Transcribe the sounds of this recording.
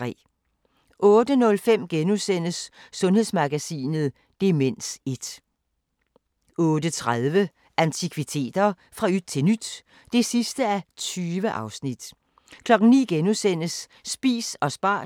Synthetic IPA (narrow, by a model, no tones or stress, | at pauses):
ʁɛ̰ː | ʔɔ̽ːd̥ənɔ̽lfem̰ɡ̥enusen̰əsːɔ̽nhe̝ðˠsmɑ̈ɡ̥æsḭːnð̞̩ˠ | d̥e̝men̰se̝d̥ | ɔ̽ːd̥ət͡sʰʁaðˠʋə | ʔænt͡sʰikʰʋit͡sʰe̝̰ːd̥ɐ | fʁɑ̈yd̥̚t͡sʰe̝nyd̥ | d̥e̝sisd̥əæt͡sʰyːʋəʔɑ̈ʊsnid̥ | kʰlɒ̽ɡ̥n̩nḭːɡ̥enusen̰əsː | b̥ḭːsɒ̽sb̥ɑ̰̈ː